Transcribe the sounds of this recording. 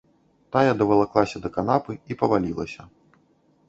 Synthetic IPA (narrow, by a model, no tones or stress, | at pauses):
t̪ajad̪ɐvɐlˠaklˠasʲɐd̪ɐkanapɨipɐvalʲilˠɐsʲɐ